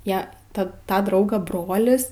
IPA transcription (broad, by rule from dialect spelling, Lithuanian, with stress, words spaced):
ˈjæː ˈtɐt ˈtɑː ˈdrɐʊɡɑː ˈbroːlʲɪs